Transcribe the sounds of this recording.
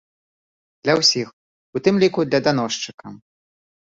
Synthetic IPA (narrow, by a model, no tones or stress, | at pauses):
d̪lʲɐwsʲix | ut̪ɨmlʲikud̪lʲɐd̪anɔʂt͡ʂɨkɐ